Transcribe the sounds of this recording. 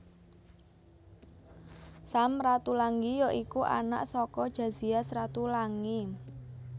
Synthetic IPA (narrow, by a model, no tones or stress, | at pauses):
samrat̪ulaŋɡijɔʔikuʔa̰na̰ʔsɔkɔd̥ʒ̥ä̤̥z̥iasrat̪ulaŋi